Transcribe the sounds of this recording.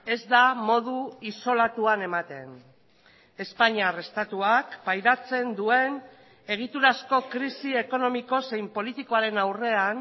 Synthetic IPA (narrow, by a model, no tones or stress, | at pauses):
e̞zd̪amo̞ð̞uiso̞lat̪uane̞mat̪e̞n | e̞spaɲiarest̪at̪uakpajɾat͡se̞nd̪ue̞n | e̞ɣ̞it̪uɾasko̞kɾisie̞ko̞no̞miko̞se̞jmpo̞lit̪iko̞aɾe̞nawre̞an